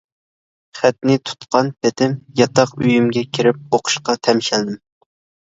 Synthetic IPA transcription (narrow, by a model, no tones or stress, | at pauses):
χæt̪nɪt̪ʰu̥t̪qʰɑnpʰet̪ʰɪmjɑt̪ʰɑqyjymɡʲɛkʲʰiɾɪp̚oqʰʊ̥ʃqɑt̪ʰɛmʃɛld̪ɪm